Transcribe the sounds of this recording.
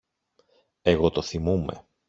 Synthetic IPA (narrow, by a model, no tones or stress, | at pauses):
e̞ɣo̞t̪o̞θimume̞̰